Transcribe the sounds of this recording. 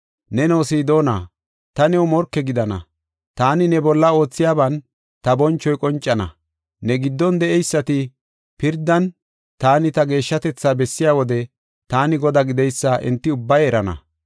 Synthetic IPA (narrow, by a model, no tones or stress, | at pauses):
nɛnoːsiːd̪o̞ːna̰ː | t̪ɐnɛwmɔɾkːɛɡɪd̪ɐnɐ̰ | t̪aːnɪnɛbɔlːɐo̞ːt͡sːɪjaːbɐn | t̪ɐbɔnt͡ʃːɔjkʼɔnt͡ʃʼːɐnɐ̰ | nɛɡɪd̪ːɔnd̪ɛʔɛjsːɐt̪ɪ | pɪɾd̪ːɐn | t̪aːnɪt̪ɐɡe̞ːʃːɐt̪ɛt͡sːaːbɛsːɪjaːwɔd̪ɛ | t̪aːnɪɡɔd̪aɡɪd̪ɛjsːɐʔɪ̰nt̪ːɪʊbːɐjɛɾɐnɐ̰